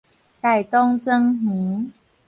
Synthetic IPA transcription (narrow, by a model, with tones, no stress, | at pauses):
ka˨˩jt̪ɔ˦ŋt͡sə˦ŋhu˨˦